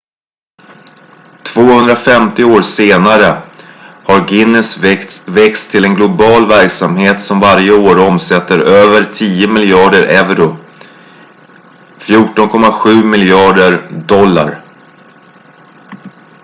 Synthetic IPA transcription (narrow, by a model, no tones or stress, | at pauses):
t̪ʰv̥oːhɵnd̪ɾafɛmt̪ɪoːɾseːnaɾə | haɾɡɪnːɪsvɛkst̪ʰːɪlɛnɡlʊbɑːlvæɾksamheːt̪sɔmvaɾjəoːɾɔmsɛt̪ːəɾøːvəɾʈʰiːəmɪljɑːɖəɾʔɛvɾʊ | fjuːʈɔnkʰɔmːaɧʉ̟ːmɪljɑːɖəɾdɔlːa̰ɾ